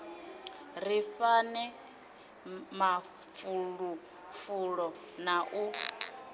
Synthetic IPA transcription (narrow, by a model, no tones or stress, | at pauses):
ɾiɸanɛ | ma | fuɺu | fuɺɔ | naʔu